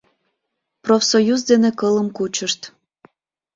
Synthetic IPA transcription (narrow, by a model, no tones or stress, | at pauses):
profsojuzd̪enekələmkut͡ɕəʃt̪